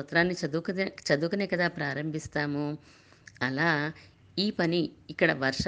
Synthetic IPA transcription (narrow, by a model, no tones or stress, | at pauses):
ɐt̪ɾaːnːiɐd̪uk̪t͡ʃɐd̪ukɐneːkɐd̪aːpɾaːɾɐmbʱist̪aːmu | ɐlaː | iːpɐniːkːɐɽɐʋɐɾʂ